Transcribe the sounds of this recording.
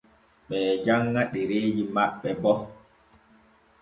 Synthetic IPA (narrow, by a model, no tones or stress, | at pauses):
ɓɛːd͡ʒaŋːaɗeɾeːd͡ʒimaɓːɛbɔ